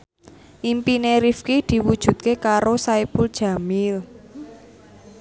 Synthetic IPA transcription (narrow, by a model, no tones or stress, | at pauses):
ʔimpineɾifkid̪̥i̤wud̥ʒ̥ṳt̪̚kekaɾosaipʊld̥ʒ̥ä̤mɪl